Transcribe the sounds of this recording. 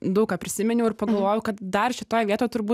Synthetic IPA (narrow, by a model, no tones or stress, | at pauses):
d̪ɐʊkaːpʲɾʲɪsʲɪmʲɛnʲɛʊɪrpɐɡɐlˠʋoːjʊkɐt̪̚d̪ɐrʃʲɪt̪oːjʋʲiɛt̪oːjt̪ʊɾrbuː